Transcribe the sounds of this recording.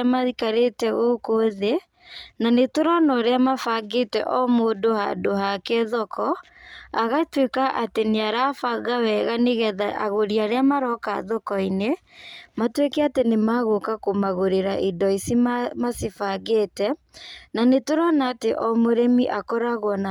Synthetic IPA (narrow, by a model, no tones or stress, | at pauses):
maðikaɾetɛɣokoðe | nanetoɾɔnɔɾeamafaɡetɛ̰ʔɔmoːdoha̰doɦakɛðɔkʰɔ | aɣatwekaʔateneaɾafaɣawɛɣaneɣɛðaʔa̰ɣoɾiaɾeamaɾɔka̰ðɔkɔine | matwekɛatenemaɣokakomaɣoɾeɾaʔidɔisimamasifaɣeːtɛ | nanetoɾɔnaːteʔɔmoɾemiʔakɔɾaɣɔna